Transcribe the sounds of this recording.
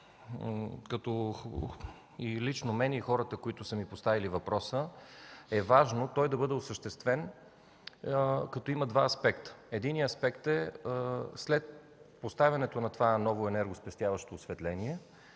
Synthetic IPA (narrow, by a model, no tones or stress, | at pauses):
kɐt̪ɔ | ilit͡ʃnomɛnɛixɔɾət̪əkoit̪ʊsəmipost̪avilivɐpɾɔsə | ɛvaʒnot̪ɔjd̪ɐbɤd̪ɛosəʃt̪ɛst̪vɛn | kɐt̪ɔimɐd̪vaɐspɛkt̪ə̥ɛd̪iniɐspɛkt̪ɛ | slɛt̪̚ | post̪avʲɐnɛt̪onɐt̪ovanɔvoɛnɛɾɡospɛst̪javɐʃt̪oːsvɛt̪lɛniɛ